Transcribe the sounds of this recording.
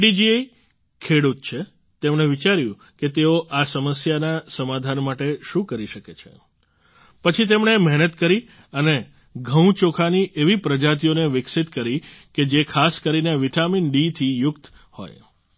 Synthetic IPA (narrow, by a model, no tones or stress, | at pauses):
ɖid͡ʒiej | kʰeɽut̪̚t͡ʃʰe | t̪emɳeʋit͡ʃaɾjũ | ket̪eoʔasəməsjanasəmad̪ʱanmaʈeʃũkəɾiʃəket͡ʃʰḛ | pət͡ʃʰit̪̬emɳemɛɦnət̪kəɾi | əne | ɡʱə̃w̃t͡ʃokʰaniʔeʋipɾəd͡ʒat̪̬ijoneʋɪksit̪kəɾiked͡ʒekʰaskəɾineʋiʈaminɖit̪ʰijʊkt̪ | ho̰j